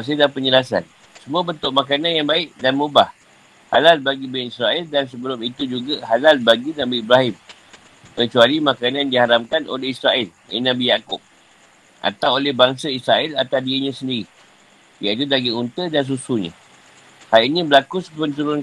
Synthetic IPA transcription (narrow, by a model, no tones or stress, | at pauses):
as̬adapəɲəlasa̰n | səmũabənt̪ʊʔ̚makananjaŋbaɪʔdanmubah | ha̰lalbaɡibɪnisɾaɪldansəbəlʊmit̪ud͡ʒuɡahalalbaɡinabiibɾaɦɪm | kət͡ʃualimãkanandihaɾamkano̰lɛhisɾaɪl | ɛ̰nãbijakʊp̚ | ʔa̰t̪awolɛhbaŋsaisɾaɪlat̪adiiɲãsəndiɾi | jait̪udaɡiunt̪ədans̬usuɲã̰ | hajʔnĩbəlakusəkkənt̪uɾʊn